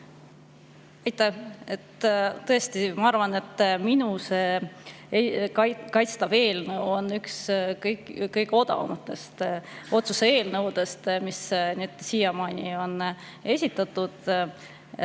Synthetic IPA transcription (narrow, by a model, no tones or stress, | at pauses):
ɑjt̪ːˑæhet̪t̪ɤest̪imɑɑrvɑne̞t̪ːminuseː | kɑkɑjt̪st̪ɑve̞ːlnɤwo̞nːykskɤjkkːɤjɡeo̞d̪̥ɑ̰mɑt̪ːˑe̞st̪o̞t̪susee̞ːlnɤwd̪̥e̞st̪misnit̪siːjɑmɑːnʲio̞n | e̞sʲit̪ːˑɑt̪ːud̪̥